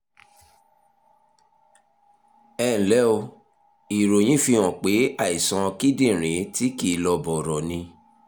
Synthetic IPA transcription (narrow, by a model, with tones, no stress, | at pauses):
ɛ̃˦˨lɛ˨˦o˧ | i˨ɾo˨j̃ĩ˦fĩ˧ɔ̃˨k͡pe˨˦a˦˨i˨sɔ̃˧ki˦dĩ˦˨ɾ̃ẽ˨˦ti˦ki˦˨lɔ˧bɔ˨ɾɔ˨nĩ˧